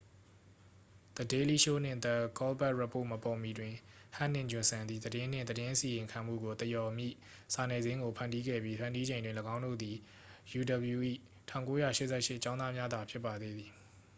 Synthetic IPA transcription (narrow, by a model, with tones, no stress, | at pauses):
t̪ə˨de˦li˦ʃo˦˨n̥ɪ̰̃˦˨t̪ɛ˦˨kɔ˦lpɛ˦ʔɹa˦˨po˦˨məpɔ˨mi˨dwɪ̃˨hã̰˦˨n̥ɪ̰̃˦˨ɲd͡ʑʊ̃˨nsã˨nd̪ði˨d̪əɾɪ̃˦n̥ɪ̰̃˦˨d̪ədɪ̃˦ʔəsi˨jɪ̃˨ŋkʰã˨m̥ṵ˦˨ɡo˨t̪əjɔ˨mjḭ˦˨ | sa˨nɛ˨zɪ̃˦ŋɡo˨pʰã˨ndi˦ɡɛ̰˦˨bji˦pʰã˨ndi˦d͡ʑẽ˨ɪ̃ndwɪ̃˦˨ləɡã˦ʊ̃ndo̰˦˨d̪i˨ | ju˨də˨bju˨ʔḭ˦˨ | tʰã˦˨ŋko˦jä̰˦˨ʃɪ˦ʔsɛ˦˨ʃɪ˦ʔt͡ɕã˦nd̪ða˦mja˦d̪a˨pʰjɪ˦pːa˨d̪e˦d̪i˨